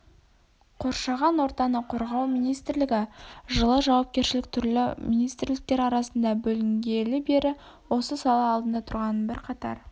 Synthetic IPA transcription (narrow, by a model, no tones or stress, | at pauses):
qʰo̞ɾʃɑʁɑnwo̞ɾt̪ɑnəqʰo̞ɾʁɑwmijnijst̪ɾlɪɡʲɪʒəlˠəʒɑwɑp̚kʲe̞ɾʃɪlɪk̚t̪ʰʏɾlɪminijst̪ɾlɪk̚t̪eɾɑɾɑsənd̪ɑbɵlɪŋɡʲe̞lɪbe̞ɾɪ | wo̞səsɑlˠɑːlˠd̪ənd̪ɑt̪ʰʊɾʁɑnənbɪɾqʰɑt̪ɑ̰ɾ